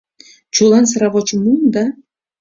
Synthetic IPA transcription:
t͡ɕulˠɑns̬ɾɑβot͡ɕəmumd̪ɑ

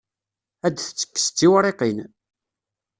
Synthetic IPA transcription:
æd̪θə̥t͡sːə̥kːə̥st͡s̪ːiwɾˤeqin

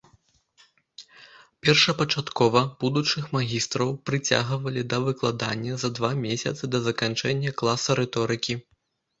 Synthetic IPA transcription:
pʲɛrʂɐpɐt͡ʂat̪kɔvɐb̥ud̪ut͡ʂɨxmaɣʲist̪ɾɐwpɾɨt͡sʲa̰ɣɨvɐlʲid̪ɐvɨklˠad̪anʲːɐzɐd̪vamʲesʲɐ̰t̪sɨd̪ɐzɐkant͡ʂɛnʲːɐklˠasɐɾɛt̪ɔɾɨkʲi

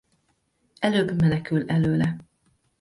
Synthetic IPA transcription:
ɛløːbmɛnɛkylɛløːlɛ

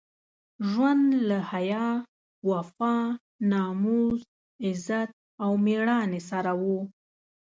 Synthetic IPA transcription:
ʒwand̪lahajɑ | wafɑ | nɑmuz | ɪzat̪̚ | awmeɽɑnesaɾawu

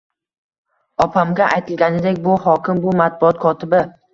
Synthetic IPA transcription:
ɒpʰamɡʲaʔajt̪ʰɪlɡʲanɪd̪e̞kʲbʊhɒkʲɪmbʊmat̪̚bʊɒt̪̚kʰɒt̪ʰɪbɪ

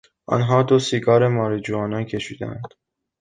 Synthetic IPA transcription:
ʔɒ̰nɦɒːd̪osiɡɒːɾemɒːɾed͡ʒuɒːnɒncʰe̞ʃiːd̪æ̰æ̰nd̪̥

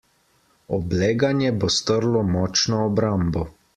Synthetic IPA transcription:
ɔblɛːɡanjɛbɔst̪əɾlɔmɔːt͡ʃnɔːbɾambɔ

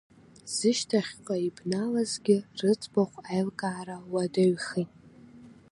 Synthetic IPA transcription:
z̥ɨʃtʰaχʲqʷʼaibnalazɡʲɪrɨt͡sʼbaχʷajlkʼaːrawadaɥχitʼ

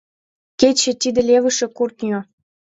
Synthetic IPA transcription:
ket͡ɕĕt̪id̪ɘ̆lʲevə̆ʃĕkurt̪nʲjo

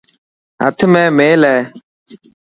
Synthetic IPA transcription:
a̰t̪ʰmɛ̃ːmeːlɛː

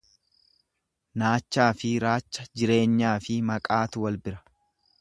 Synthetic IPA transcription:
naːt͡ʃːaːfɪɾaːt͡ʃːɐd͡ʒɪɾe̞ːɲːaːfɪmɐkʼaːt̪ʊwɐlbɪɾɐ̥

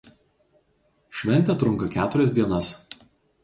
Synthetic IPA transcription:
ʃʲʋʲɛˑnʲt̪ʲɛˑt̪ɾʊŋkɐkʲæːt̪ʊɾʲɛs̬ʲd̪ʲiɛnɐs

